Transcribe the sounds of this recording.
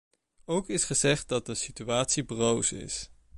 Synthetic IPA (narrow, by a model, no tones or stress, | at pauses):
owkɪsχəzɛχt̚dɑt̚dəsityaːtsibrowsɪ̰s